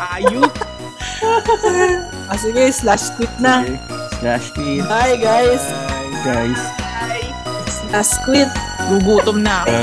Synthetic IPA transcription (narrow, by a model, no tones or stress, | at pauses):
ʔaːjo | ɐs̬ɪɡajslaskwɪt̪̚na | slaʃkwitajɡajsɡajsaj | slaskwɪt̪̚ | luɡuːt̪omna